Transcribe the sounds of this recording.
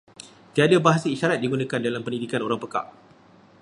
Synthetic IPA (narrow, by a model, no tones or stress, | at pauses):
t̪iadəbaɦasəiʃaɾat̪̚diɡunə̃kandalampəndidikanoɾaŋpəka̰ʔ